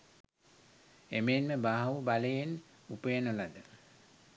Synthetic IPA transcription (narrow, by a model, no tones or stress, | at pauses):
emeːnməbaːɦʋubaləjen | upəjənolad̪ə